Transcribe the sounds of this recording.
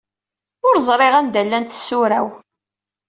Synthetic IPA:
ʊɾzˤɾˤeʁænd̪ælːænt̪sːʊɾæw

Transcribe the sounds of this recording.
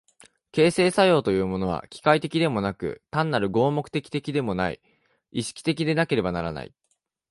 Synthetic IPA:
ke̞ːse̞ːsajo̞ːt̪o̞jɯ̟ːmo̞no̞β̞a̰kʲi̥kait̪e̞kʲid̪e̞mo̞nakɯ̟̰t̪ãnːaɾɯ̟ɡo̞ːmo̞kɯ̟̥t̪e̞kʲi̥t̪e̞kʲid̪e̞mo̞naḭ | iɕi̥kʲi̥t̪e̞kʲid̪e̞nake̞ɾe̞banaɾana̰ḭ

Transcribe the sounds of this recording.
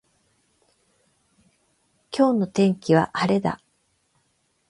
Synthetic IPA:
kʲo̞ːno̞t̪ẽ̞ŋkʲiβ̞aʔaɾe̞d̪a̰

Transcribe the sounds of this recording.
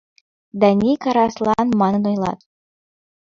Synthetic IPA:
d̪ɑnʲikɑɾɑslˠɑnmɑnɤ̆nojlˠɑ̰t̪

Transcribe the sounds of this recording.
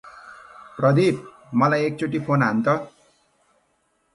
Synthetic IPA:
prʌd̪ʱip̚ | mʌlajek̚t͡soʈ̬ipʰonɦant̪ʌ

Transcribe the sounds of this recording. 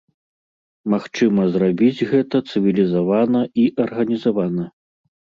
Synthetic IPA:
maxt͡ʂɨmɐzrabʲid͡zʲɣɛt̪ɐt̪sɨvʲilʲizavanɐʔiʔɐrɣɐnʲizavanɐ

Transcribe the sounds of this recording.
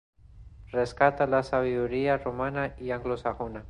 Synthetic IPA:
reskat̪alasaβiðuɾiaromanaiaŋɡlosaɣona

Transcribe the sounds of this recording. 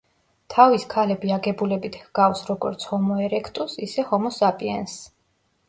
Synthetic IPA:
t̪ʰaviskʰalɛbiaɡɛbulɛbit̪ʰhɡ̥afsɾɔɡɔ̰ɾt̪sʰhɔmɔɛɾɛkʰt̪ʼusisɛhɔmɔsapʼiɛ̰ns

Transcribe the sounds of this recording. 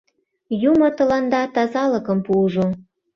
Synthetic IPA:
jumɤ̆t̪ɤ̆lɑnd̪ɑt̪ɑzɑlɤ̆kɤ̆mpuʒo

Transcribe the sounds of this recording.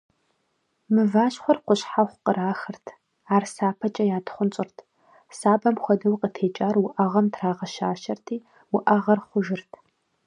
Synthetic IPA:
mɨvaːɕχʷɔrqʷʊɕħaχʷqəɾaːxɨrtʰ | aːrsaːpʰɐt͡ʃʼɐjaːtχʷʊnt͡ʃʼɪrtʰ | saːbɐmxʷɔdɐwqʼətʰeːt͡ʃʼaːrwʊʔɐʁɐmtʰraːʁɐʃa̰ːʃɐrtʰiː | wʊʔɐʁɐrχʷʊʒɪrtʰ

